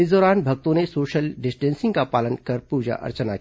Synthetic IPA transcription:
ɪsd̪ɔːɾaːnbʱɐɡ̚t̪õnesoːʃəlɖɪsʈɛ̃ːnsɪ̃ŋɡkapaːlənkɐɾpuːd͡ʒa̰ʔɐ̰ɾt͡ʃənak

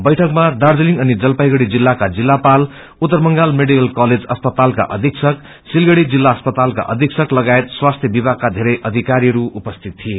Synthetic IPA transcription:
bʌjʈʰʌkmad̪ard͡zʌliŋʌnid͡zʌlpajɡʌɽid͡zilːakad͡zilːapal | ut̪ːʌrmʌŋɡalmeɽikʌlkʌled͡zʌspʌt̪alka̰ʔʌ̰d̪ʱiksʌk | silɡʌɽid͡zilːaʌspʌt̪alka̰ʔʌ̰d̪ʱiksʌklʌɡaet̪swast̪ʰjʌbibakːad̪ʱeɾʌjʔʌd̪ʱikaɾiɦʌɾuupʌst̪ʰit̪̚t̪ʰːije

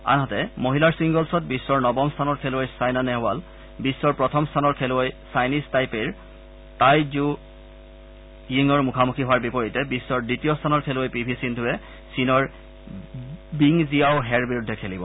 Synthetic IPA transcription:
a̰nɦatɛmoɦilaɹsiŋɡɔlsɔt̚bisːɔɹnɔbɔmstʰanɔɹkʰelʊojsajnanɛɦwal | bisːɔɹpɹɔtʰɔmstʰanɔɹkʰelʊojsajnistajpeɹ | tajd͡ʒu | jiŋɔɹmukʰamukʰiɦɔwaɹbipɔɹitɛbisːɔɹditijɔstʰanɔɹkʰeluojpibʱisindʱʊɛ | sinɔɹ | biŋzijaʊɦɛɹbiɹudʱːɛkʰelibɔ

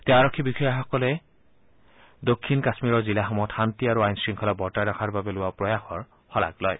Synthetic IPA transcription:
tɛaɹɔkʰːibixɔjaxɔkɔlɛ | dokʰːinkasmiɹɔɹzilaxɔmɔtxantiaɹuajnsɹiŋkʰɔlabɔɹtajɾakʰaɹbabɛlʊwapɹɔjaxɔɹ | xɔla̰klɔj

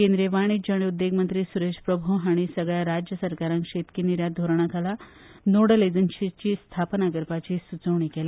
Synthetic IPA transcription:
kẽnd̪ɾeʋaɽ̃id͡ʑəɽ̃iud̪ːeɡmənt̪ɾiːsuɾeɕpɾəbʱuɦaɽ̃isəɡɭjaɾad͡ʑjəsəɾkaɾãŋkʂet̪kiniɾjad̪ʱoɾɳ̃akʰala | noɽəled͡zənɕit͡ɕiːst̪ʰapnaɡəɾpat͡ɕiːsut͡səʋɳ̃ikele

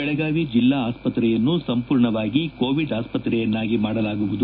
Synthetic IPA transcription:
ɛɭɛɡaːʋid͡ʒilːaːaːspɐt̪ɾɛjɐnːusɐmpuːɾɳɐʋaːɡiko̞ːʋiɖaːspɐt̪ɾɛjɐnːaːɡimaːɽɐlaːɡuʋud̪u

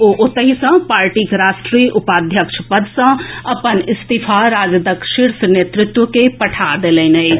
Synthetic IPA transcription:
oʔʊt̪əɦisɐ̃paːɾʈiːkɾaːʃʈɾiːʔʊpaːd̪ʱjəkʃpəd̪sɐ̃ɐpənɪst̪ipʰaɾaːd͡ʒd̪əkʃɪɾsneːt̪ɾɪt̪wəkepɐʈʰad̪eːlẽːnɐi

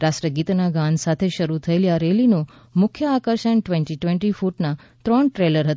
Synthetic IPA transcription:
ɾasɾəɡit̪naɡansat̪ʰeʃəɾut̪ʰəeljaɾelino | mʊkʰjəakəɾʃəɳʈʋɛɳʈiʈʋɛ̃ɳʈifuʈna | t̪ɾɔɳʈɾeləɾɦət̪

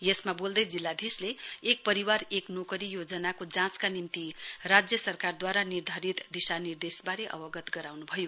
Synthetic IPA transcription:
jesmabold̪ʌjd͡zilːad̪ʱisleːk̚pʌɾiwaɾeknokʌɾijod͡zʌnakod͡zãskanimt̪irad͡zjʌsʌrkard̪waɾanird̪ʱaɾit̪d̪isanird̪esbaɾeʔʌ̰bʌɡʌt̪ɡʌɾawnubʱʌjo

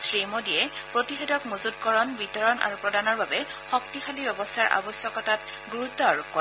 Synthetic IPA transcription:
sɹimodijɛpɹotixedɔkmozud̚kɔɹɔnbitɔɹɔnʔa̰ɹupɹɔdanɔɹbabɛxɔktixalibɛbɔstʰaɹʔa̰bɔsjɔkɔtat | ɡuɹutːɔɹkɔ

